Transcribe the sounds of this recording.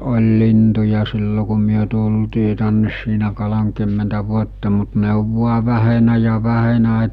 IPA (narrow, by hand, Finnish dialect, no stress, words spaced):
olʲ lintujɑ silːo ku myø tultiː tænːes siːnæ kolomkymːentæ ʋuotːɑ mut ne oʋ ʋuɑ ʋæhenæ jɑ ʋæhenæ